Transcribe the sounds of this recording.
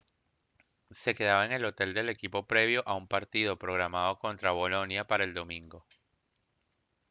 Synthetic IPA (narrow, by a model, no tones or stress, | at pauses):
se̞ke̞ðaβae̞ŋe̞lo̞t̪e̞ld̪e̞le̞kipo̞pɾe̞β̞jo̞ʔaumpaɾt̪ið̞o̞pɾo̞ɣɾamað̞o̞ko̞nt̪ɾaβ̞o̞lo̞njapaɾae̞ld̪o̞mĩŋɡo̞